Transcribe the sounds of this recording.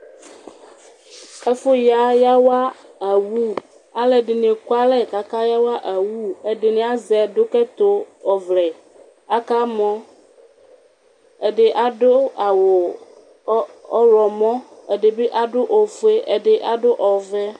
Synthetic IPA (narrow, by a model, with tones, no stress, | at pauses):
ɛ˦fo˦ja˦ja˦wa˦a˨wu˦ | a˦lɛ˨ɖɪ˨nẽ˨ko˦a˦lɛ˦˨ka˨ka˦ja˦wa˦ʔa˨wu˦e˨ɖe˨nẽ˨˦a˦zɛ˨do˦kɛ˦t̪o˦ɔ˨vlɛ˨ | a˦ka˦mɔ̃˦ | e˨ɖe˨ʔa˦ɖo˦a˨wo˨˦ | ɔ˦ɾɔ˨mɔ̃˦e˨ɖe˨be˦ʔa˨ɖʊ˦ʔo˨fe˦ʔe˨ɖe˦ʔa˦ɖʊ˦ʔɔ˨vɛ˦